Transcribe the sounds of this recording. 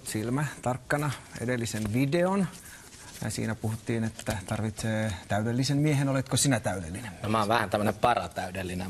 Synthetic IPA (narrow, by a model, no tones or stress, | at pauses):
silmæt̪ɑrkːɑnɑḛdelːisenʋideon | jɑ̰sḭːnæpuhut̪ːiːnet̪ːæt̪ɑrʋit̪seːt̪æydelːisemmiehenolet̪kosinæt̪æydḛlːinenomæɑˑːʋæhænt̪æmːøənempɑrɑt̪æydelːine